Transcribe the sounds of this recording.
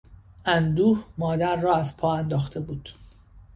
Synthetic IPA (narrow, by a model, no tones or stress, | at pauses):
ʔænd̪uːhmɒːd̪æɾːɒːæzpʰɒːænd̪ɒːxt̪ʰe̞buːd̪̥